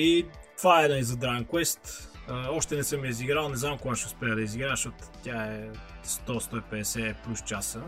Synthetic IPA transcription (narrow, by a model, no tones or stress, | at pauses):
it̪vaɛnaizɐd̪ɾaŋkwɛst̪əɔʃt̪ɛnɛsəmjəiziɡɾalˠnɛznamkʊɡaʃɛʊspɛəd̪ɐiziɡɾaʃɔt̪ʊ̥t̪ʲaɛst̪ɔst̪ɔipɛd̪ɛsɛplʲust͡ʃasə